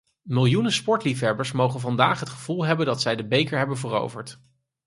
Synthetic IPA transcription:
mɪlˠjunəspɔɹtlifɦɛbəɹsmowχənvɑndaːχɦətχəv̥ulˠɦɛbəndɑtsɛjdəbejkəɹɦɛbənvəro̰wvəɹt

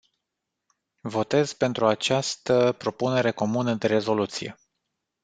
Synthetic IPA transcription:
vo̞t̪e̞zpe̞nt̪ɾuat͡ʃast̪əpɾo̞pune̞ɾe̞ko̞munəd̪e̞ɾe̞zo̞lut̪sije̞̰

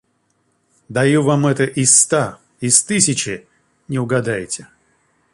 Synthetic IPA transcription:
d̪ɐjuvamɛt̪əʔɪst̪a | ɪst̪ɨsʲɪt͡ɕɪ | nʲɪʊɡɐd̪ajtʲɪ̥

